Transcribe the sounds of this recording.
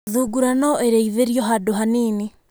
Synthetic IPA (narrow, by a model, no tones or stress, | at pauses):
ðuɡuɾanɔeɾeiðeɾjɔɦadoɦaniːni